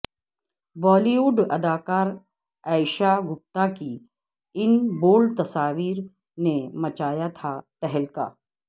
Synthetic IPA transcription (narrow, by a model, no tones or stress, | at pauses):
ʋɔːliuːɖɐd̪aːkaːɾ | ɛːɪʃaɡʊp̚t̪aki | ɪnboːlt̪ɐsaːʋiːɾ | nemɐt͡ʃaːjat̪ʰat̪ɛɦɛlka̰ː